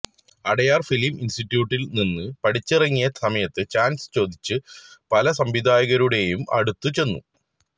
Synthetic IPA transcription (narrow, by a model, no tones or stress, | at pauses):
ɐɽɐjaːrfiliminsʈiʈːjuːʈːilninːɨpɐɽit͡ɕːirɐŋːijɐsɐmɐjɐt̪ːɨt͡ɕaːnsɨ̥t͡ɕo̞ːd̪ʱit͡ɕːɨpɐlɐsɐmʋid̪ʱaːjɐɣɐɾuɽe̞jumɐ̰ɽut̪ːut͡ɕe̞nːṵ